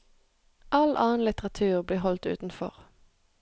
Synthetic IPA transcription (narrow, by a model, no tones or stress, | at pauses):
ʔɑlʔɑːn̩lɪt̪əʁɑt̪ʰʉːʁbliːhɔlt̪ʉ̰ːt̪n̩fɔ̰ʁ